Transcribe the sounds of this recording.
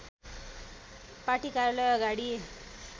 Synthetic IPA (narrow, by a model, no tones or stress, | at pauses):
paʈikaɾjʌlʌjʌɡaɽi